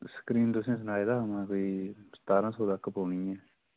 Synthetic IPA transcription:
sə̥kɾiːnt̪ʊsẽːs̬ənaːed̪aːmãːkoːiːst̪aːɾãːsoːd̪akːpoːniːɛː

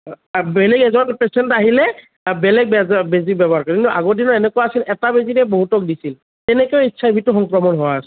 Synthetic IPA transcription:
bɛlɛɡɛzɔnpɹɛsɛntaɦilɛ | bɛlɛɡ̚bɛbezibɛbɔɦaɹkɔkintuʔaɡodinɔɹɛnɛkɔwaasilɛtabeziɾɛboɦutɔk̚disil | tɛnɛkɛʊitːsʰaibʱitʊxɔŋkɹɔmɔnɦowaasɛ

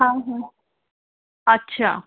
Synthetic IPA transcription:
ɦãɦã | ətːɕʰa̰ː

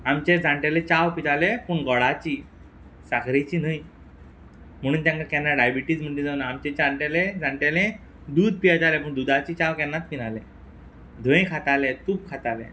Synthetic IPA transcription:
amt͡ɕed͡zʱaɳʈalẽt͡ɕaʋpit̪alepuːɳɡɔɭat͡ɕiː | sakɾet͡ɕiːnəj | m̤əɽ̃uːnt̪ãŋkakɛnːaɖajbiʈiːd͡zm̤əɳd͡ʑed͡zanaːmt͡ɕet͡ɕaɳʈalẽd͡zaɳʈalẽ | d̪uːd̪̚ʱpijatalepəːɳd̪ud̪at͡ɕiːt͡ɕawkɛnːat̪̚minalẽ | d̪ʱʋə̃jkʰat̪alet̪uːp̚kʰat̪alḛ̃

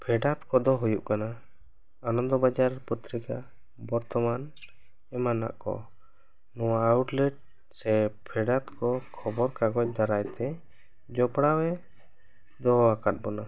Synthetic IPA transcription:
pʰɛɖat̪kɔd̪ɔɦujuʔkana | anɔnd̪ɔbad͡ʒaɾaɾput̪ɾika | bɔɾt̪ɔman | ɛmana̰ʔkɔ̰ | nɔwaːwʈlɛʈ̚ | sɛpʰɛɖat̪kɔkʰɔbɔɾkaɡɔc̚d̪aɾajt̪ɛ | d͡ʒɔpɽawɛ | d̪ɔɦakat̪̚bɔna

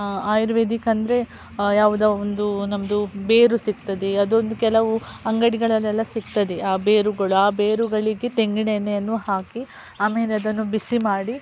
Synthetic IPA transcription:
aːjɾʋed̪ikɐnd̪ɐɾe̞ | jaːʋud̪aond̪unɐmɐd̪ubeːɾusiɡ̚t̪ɐd̪eɐd̪ond̪ukɛlɐʋuɐŋɡɐɽiɡɐɭɐlːɛlːɐsiɡt̪ɐd̪eaːbeːɾuɡɐɭuaːbeːɾuɡɐɭiɡet̪e̞ŋɡiɳenːeɐnːuhaːki | aːmeːleɐd̪ɐnːubisimaːɽi

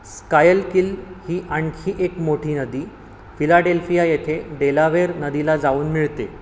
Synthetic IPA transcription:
skajəlkilhiːʔaɳkʰiːʔekmoʈʰiːnəd̪iː | filaɖelfijajet̪ʰeɖelaʋeɾnəd̪ilad͡zauːnmiɭt̪e

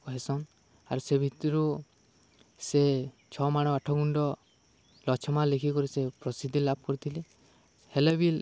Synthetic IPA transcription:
kɦesɔn | a̰ɾusebʱit̪ɔɾu | se | t͡ʃʰɔmaɽ̃ɔaʈʰɔɡuɳɖɔ | lɔt͡ʃʰɔmalekʰikɔɾisepɾɔsid̪ʱilabʱɔkɔɾit̪ʰile | helebil

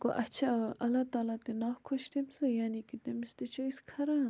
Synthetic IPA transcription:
ko̰ʔɐt͡ʃʰaʔɐlːat̪aːlat̪enafkʰoʃt̪emisɨjaːnikit̪emist̪et͡ʃoiskʰɐɾa

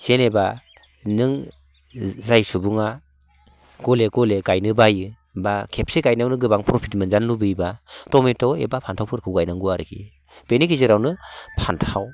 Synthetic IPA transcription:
seneba | nɯŋ | zajsubuŋa | ɡ̥ɔleɡɔleɡajnɯbajɯ | bakʰep̚seɡajnawnɯɡɯbaŋpɾopʰitmɯnzanːubɯjbatɔmetɔḛbapʰantʰawpʰɯɾkʰɯwɡajnaŋɡuaɾɯkʰḭ | b̥enikʰizɯɾawnɯpʰantʰaw

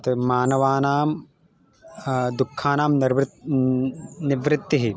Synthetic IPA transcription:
t̪ɐmaːnɐʋaːnaːm | d̪ukʰːaːnaːmʋ | niʋɾɪt̪ːɐɦi

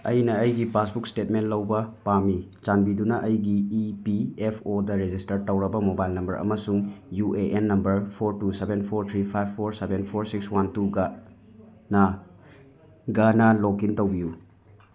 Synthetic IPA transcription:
ɐ̰jnɐːjɡipasbukstetmentlɐwbɐpamit͡ʃanbidunɐʔɐjɡiipiepʰodɐɾed͡ʒistɐɾtɐwɾɐbɐmobajlnɐmbɐɾɐ̰mɐsuŋjuʔeʔenːɐmbɐɾpʰoɾtusebenpʰoɾt̪ʰɾipʰajbʰːoɾsebenpʰoɾsikswantuɡa | na | ɡanalokintɐwbiju

